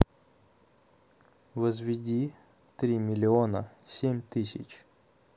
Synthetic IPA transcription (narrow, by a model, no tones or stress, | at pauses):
ʋɐzʋʲɪdʲi | t̪ɾʲimʲɪlʲɪɔnɐsʲemʲt̪ɪsʲɪ̰t͡ʃ